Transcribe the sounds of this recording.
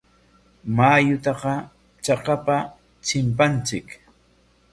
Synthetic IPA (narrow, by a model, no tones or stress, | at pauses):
maːjʊt̪ɑqɑ | t͡ʃɑkapa | t͡ʃɪmpant͡ʃɪk